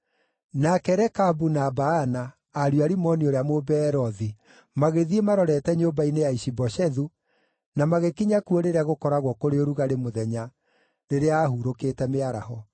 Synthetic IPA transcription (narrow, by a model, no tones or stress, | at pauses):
nakɛɾɛkabunaːbaːnaː | ɾjwaɾimɔnioɾeamobɛːɾɔði | maɣeðiemaɾɔɾɛtɛɲobainejaiʃibɔʃɛðu | namaɣekiɲakuoɾeɾeaɣokɔɾaɣwɔkoɾeoɾuɣaɾemoðɛɲa | ɾeɾeaːhuɾokeːtɛmeaɾa̰hɔ